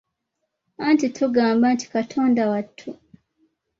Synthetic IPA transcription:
antitʰuɡaːmbaːnti̥katʰo̞ːndawatʰːu

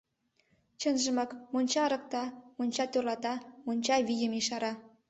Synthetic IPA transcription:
t͡ɕənʒə̆mɑkmonʲt͡ɕɑɾɤ̆k̚t̪ɑmonʲt͡ɕɑt̪ørlɑt̪ɑmonʲt͡ɕɑβijə̆miʃɑɾɑ

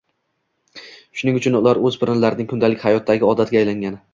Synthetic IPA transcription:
ʃʊnɪŋʊt͡ʃʰʊnʊlaɾɵzbɪɾɪnlaɾɪnɪŋʲkʰʊnd̪alɪkʲhajɒt̪ʰːaɡʲɪɒd̪at̪̚ɡʲaːjlaŋɡʲanɪ

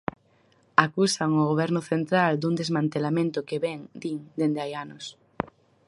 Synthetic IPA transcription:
akusaŋʊɣoβɛɾnʊθent̪ɾald̪uŋd̪ezmãnt̪elamẽnt̪ʊkeβɛŋd̪iŋd̪end̪eajanʊs

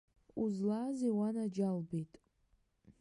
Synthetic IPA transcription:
uzlaziwanad͡ʒalbetʼ

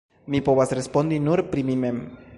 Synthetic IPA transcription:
mipo̞vasɾespo̞ndinuɾpɾimime̞m

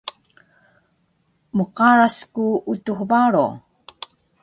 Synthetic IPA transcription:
məqaɹaskuutuxbaɾo̰

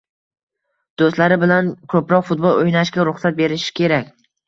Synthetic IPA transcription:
d̪̥ost̪laɾɪbɪlankʰɵpɾɒqfʊt̪̚bolˠojnaʃɡʲaɾʊχsat̪̚be̞ɾɪʃɪ̥kʲʰe̞ɾakʲ

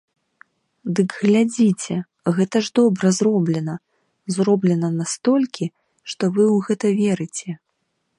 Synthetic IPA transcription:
d̪ɨɡɣlʲad͡zʲit͡sʲɛ | ɣɛt̪ɐʐd̪ɔbɾɐzrɔblʲɛnɐ | zrɔblʲɛnɐnast̪ɔlʲkʲʰi | ʂt̪ɔvɨwɣɛt̪ɐvʲɛɾɨt͡sʲɛ

